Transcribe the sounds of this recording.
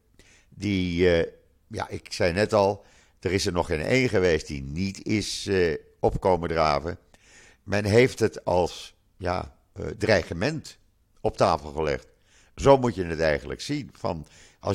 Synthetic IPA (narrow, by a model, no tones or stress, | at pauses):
di | ja̰ʔɪksɛjnɛtɑlˠ | d̥ərɪsəɹnɔχɪnḛjnχəʋejst̚dḭnitɪs | ɔpkowmədraːvə | mɛnɦejftətɑlˠs | ja̰ | drɛχəmɛnt | ɔp̚taːfəlˠχəlɛ̰χt | zowmutjənətɛjχənlə̰ksinvɑ̰nʔɑ̰